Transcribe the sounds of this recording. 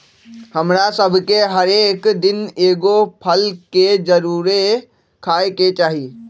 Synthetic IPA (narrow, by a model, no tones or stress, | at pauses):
hɐmɾasəbʱkeɦɐɾeːkd̪ɪneːɡopʰəlked͡ʒɐɾuːɾe | kʰaːeket͡ʃaːɦi